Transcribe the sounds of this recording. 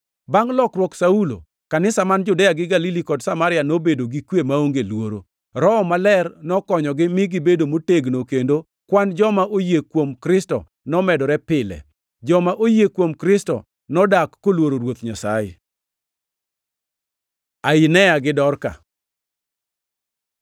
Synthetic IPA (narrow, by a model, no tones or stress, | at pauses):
baŋlɔkrwɔksaulo̰ | kanɪsamand͡ʒʊdɛjaɡɪɡalilikɔdsamaɾɪanobedoɡikwjemaoŋɡelwoɾo̰ | ɾɔmalɛrnɔkɔɲɔɡɪmɪɡɪbedomoteɡnokendo | kwand͡ʒɔmaʔojekwomkɾɪstɔ̰ | nɔmɛdɔɾɛpɪlɛ̰ | d͡ʒɔmaʔojekwomkɾɪstɔ̰ | nɔdakːolwoɾoɾwot̪ɲasa̰jɪ̰ | aɪnɛjaɡɪdɔrka̰